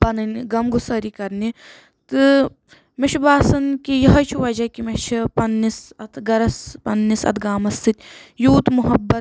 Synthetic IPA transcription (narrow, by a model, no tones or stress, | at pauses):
pɐnɨnɡɐmɡusɐɾikɐɾni | t̪ɨ | meʃʰibaːsɐnkijɐɦɐt͡ʃʰuʋɐd͡ʒɐkimeʃʰipɐnːisɐt̪ʰɡɐɾɐspɐnːisɐ̰t̪ʰɡaːmɐst̪ɨt̪ʲjuːt̪muɦɐbːɐt̪̚